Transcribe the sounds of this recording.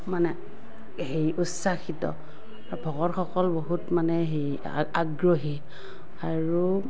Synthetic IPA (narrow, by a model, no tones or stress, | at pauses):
manɛ | ɦejutsaxitɔ̰ | abʱɔɡɔɹxɔkɔlboɦutmanɛɦej | aɡɹoɦi | aɹu